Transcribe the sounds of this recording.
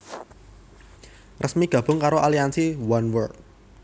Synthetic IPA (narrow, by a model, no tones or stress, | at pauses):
rʔəsmiɡ̥ä̤b̥ʊŋkaɾoʔaliansiwanwərk̚